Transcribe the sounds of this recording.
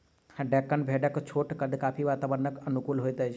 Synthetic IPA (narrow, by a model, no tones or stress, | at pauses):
ɖɛːkːənbʱeːɖəkt͡ʃʰoːʈkəd̪kaːpʰiʋaːt̪aːbəɾnəkɐnʊkuːlɦoːet̪əd͡ʒ